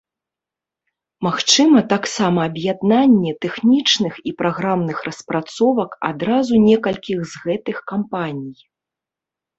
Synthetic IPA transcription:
maxt͡ʂɨmɐt̪aksamɐːbjad̪nanʲːɛt̪ɛxnʲit͡ʂnɨxipɾaɣɾamnɨxrɐspɾat̪sɔvɐka̰d̪ɾazunʲɛkɐlʲkʲiɣzɣɛt̪ɨxkampanʲij

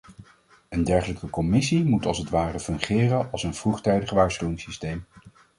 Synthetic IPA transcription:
əndɛɹχələkəkɔmɪsimutɑlˠsətʋaːrəfɵŋχɪːrənɑlˠsənv̥ruχtɛjdəχʋaːɹsχywɪŋsistejm

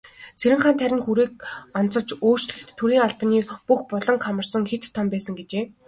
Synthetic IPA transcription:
t͡sʰeɾɘ̆ŋχaːnt̪ʰæɾʲɪ̆ŋxuɾeːk̚ɔnt͡sɞ̆t͡ɕoːr̥t͡ɕɮɘ̆ɬt̪ʰːuɾiːŋaɮp̆niːpuxpɔɮɞ̆ŋχʰamə̆rsə̆ŋxet̪t̪ʰːɔmpæːsə̆ŋɡet͡ɕeː

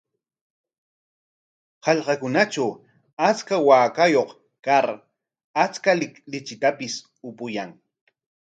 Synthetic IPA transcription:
hɑʎqɑkʊnaʈ͡ʂaw | at͡skawaːkajoχ | kaɾ | at͡skalɪlɪt͡ʃɪt̪apɪs | ʊpʊjaŋ

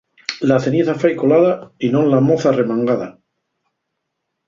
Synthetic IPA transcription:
laθe̞nieθafajko̞laðainõnlamoθare̞mãŋɡaða

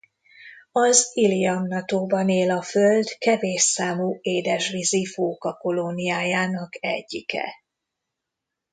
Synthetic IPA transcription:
ɒzilijɒmnɒt̪oːbɒneːlɒføld̪kɛveːʃsaːmuːeːd̪ɛʃʋizifoːkɒko̞lo̞nːijaːjaːnɒkɛ̰ɟːikɛ̰

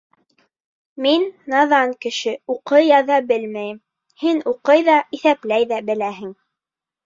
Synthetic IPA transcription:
minːɑðɑŋkɘ̆ʃɘuqɤjɑðɑbɘlmæjɘm | hinuqɤjðɑiθæplæjðæbɘ̆læɦɘ̆ŋ

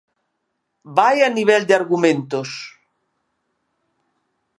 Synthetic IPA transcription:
bajaniβ̞ɛld̪eaɾɣumẽnt̪os

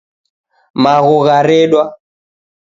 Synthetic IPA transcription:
maɣɔɣaɾɛɗwa

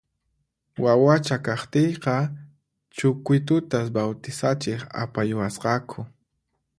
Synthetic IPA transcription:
wawat͡ʃakaχt̪ejqɑ | t͡ʃʊkʊjt̪ʊt̪asbawt̪ɪsat͡ʃɪχa̰pajʊwasqɑkʰʊ

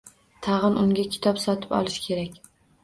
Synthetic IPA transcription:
t̪ʰɑʁɨnʊŋɡʲakʲʰɪ̥t̪ʰɒpsɒt̪ʰɪ̥pɒ̰lˠɪʃkʲʰe̞ɾakʲ

